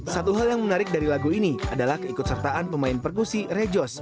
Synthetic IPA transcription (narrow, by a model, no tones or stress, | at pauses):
sat̪uɦaljaŋmənaɾɪk̚daɾilaɡuiniadalahkəikʊt̪̚sərt̪aʔanpəmaɪnpərkusirɛd͡ʒɔs